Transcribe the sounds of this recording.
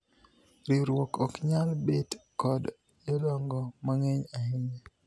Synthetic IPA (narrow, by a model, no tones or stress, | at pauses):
ɾiɾwɔkɔkɲalbetkɔd | elɔŋɡɔmaŋeɲahɪɲe